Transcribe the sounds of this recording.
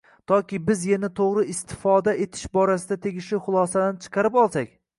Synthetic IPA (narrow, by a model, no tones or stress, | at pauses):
t̪ʰɒkʲɪbɪzjanat̪ʰoʁɾɪɪst̪ʰɪ̥fɒd̪aʔet̪ʰɪ̥ʃbɒɾasɪd̪at̪ʰe̞ɡʲɪʃɪχʊlˠɒsad̪ant͡ʃʰɨ̥qʰɑɾɪpɒlˠsakʲ